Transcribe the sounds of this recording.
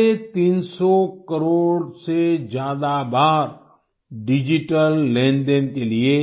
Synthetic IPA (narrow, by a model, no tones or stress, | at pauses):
et̪iːnsɔkəɾoːɽsed͡ʒjaːd̪abaːɾ | ɖɪd͡ʒɪʈəlːẽːɳɖenkelie